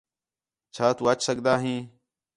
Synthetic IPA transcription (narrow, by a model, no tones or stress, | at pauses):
t͡ʃʰaːt̪uːət͡ʃʰsəɠd̪aːɦĩː